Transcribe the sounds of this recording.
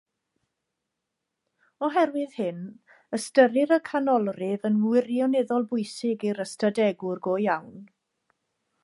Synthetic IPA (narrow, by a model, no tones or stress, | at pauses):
ɔɦɛrwɨð̥hɪn | əstəɾɪɾəkʰanɔlˠrɪvənmwɪrjɔnɛðɔlˠbʊjsɪɡiɾəstadɛɡʊrɡoːjawn